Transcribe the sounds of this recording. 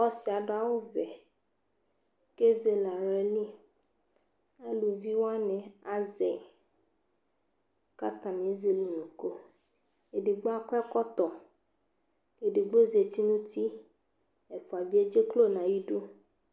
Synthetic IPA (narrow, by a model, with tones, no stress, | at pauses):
ɔ˦si˨a˨ɖa˦wo˦vɛ˨ | ke˦ze˨la˨ɾɛ˨li˦ | a˦lu˨vi˦wa˦nɛ̃˨a˦zɛ˨ | ka˦t̪a˨n˨e˦ze˨lu˨nũ˨ko˦ | e˨de˨ɡ͡bo˦a˦kɛ˦kɔ˦t̪ɔ˨ | e˨ɖe˨ɡ͡bo˦ze˨t̪i˦nũ˦t̪i˦ | e˨fu˨a˨vi˦e˦d͡ʒe˦klo˦nã˨ji˦ɖu˦